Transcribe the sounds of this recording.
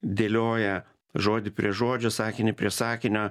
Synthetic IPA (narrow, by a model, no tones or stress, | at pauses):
d̪ʲeːlʲoːjɛ | ʒoːd̪ʲɪpʲɾʲiɛʒoːd͡ʒʲoːsɑːkʲɪnʲɪpʲɾʲiɛsɑːkʲɪnʲoː